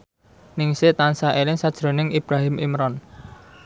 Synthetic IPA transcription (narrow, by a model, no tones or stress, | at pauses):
nɪŋset̪ansaʔelɪŋsad̥ʒ̥ɾo̤nɪŋʔib̥ɾaɦɪmḭmɾɔn